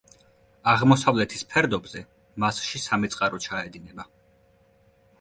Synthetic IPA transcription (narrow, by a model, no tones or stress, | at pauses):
aʁmɔsavlɛt̪ʰispʰɛɾd̪ɔbzɛ | masʃisamit̪sʼqʼaɾɔt͡ʃʰaɛd̪inɛba